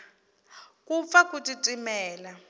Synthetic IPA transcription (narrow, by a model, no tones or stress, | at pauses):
kup̪fakutitʼimɛːla